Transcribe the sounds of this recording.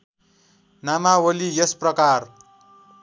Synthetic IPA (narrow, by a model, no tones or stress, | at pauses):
namawolijʌsprʌkar